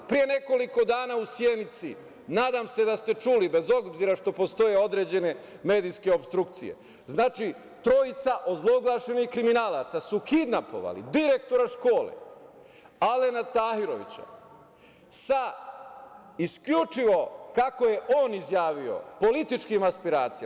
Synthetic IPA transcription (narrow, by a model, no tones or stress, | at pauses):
pɾije̞ne̞ko̞liko̞d̪aːnaːusjenit̪si | naːd̪amse̞d̪ast̪e̞t͡ʃuːlibe̞zo̞bbziɾaʃt̪o̞po̞st̪o̞je̞o̞d̪ɾe̞d͡ʑe̞ne̞me̞ːd̪iske̞o̞pst̪ɾukt̪sije̞̰ | znaːt͡ʃi | t̪ɾo̞jit̪saʔozlˠo̞ɡlˠaʃe̞nixkɾiminaːlˠat̪sasukid̪napo̞̰ʋa̰lḭd̪iɾe̞kt̪o̞ɾaʃko̞ːlḛ | ale̞nat̪ahiɾo̞ʋḭt͡ɕa̰ | sa | iskʎut͡ʃiʋo̞kako̞je̞ʔo̞ːnizjaːʋio̞̰po̞lit̪it͡ʃkimaspiɾaːt̪sija